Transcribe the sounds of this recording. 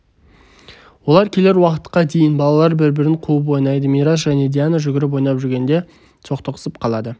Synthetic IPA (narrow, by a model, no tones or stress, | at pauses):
wo̞lˠɑɾkʲʰe̞le̞ɾwɑqə̥t̪qɑd̪e̞jɪnbɑlˠɑlˠɑɾbɪɾbɪɾɪɴqʰuəp̬wo̞jnɑjd̪əmiɾas̬ʒæne̞d̪ijanəʒʏɡʲɪɾɪp̬wo̞jnɑpʒʏɾɡʲe̞nd̪e̞ | sʰo̞qt̪əqʰə̥səp̚qʰɑlˠɑd̪ə